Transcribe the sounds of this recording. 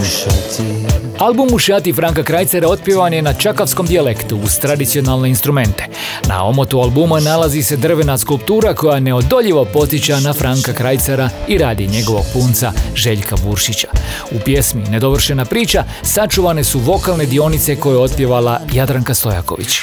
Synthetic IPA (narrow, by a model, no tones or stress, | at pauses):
alˠbumːuʃaːt̪ifɾaŋkakɾajt̪saɾao̞t̪̚pje̞ʋanje̞nat͡ʃakafsko̞md̪iale̞kt̪uːz̥t̪ɾad̪it̪sionalˠne̞inst̪ɾume̞nt̪e̞̥ | na̰o̞mo̞t̪ualˠbumanalazise̞d̪r̩ʋe̞naskulˠp̚t̪uːɾako̞jane̞o̞d̪o̞ʎiʋopo̞t̪sjit͡ɕanafɾʔaŋkakɾajt̪saɾaiɾaːd̪iɲe̞ɡo̞ʋo̞̰ɡ̥̚puːnt̪saʒe̞ʎkʰabuɾʃit͡ɕḁ | upje̞smine̞d̪o̞ʋr̩ʃe̞napɾiːt͡ɕa | sat͡ʃuʋane̞suʋo̞kalˠne̞d̪io̞nit̪se̞ko̞jeo̞t̪̚pje̞ʋalajad̪ɾaŋkast̪o̞ja̰ko̞̰ʋḭt͡ɕ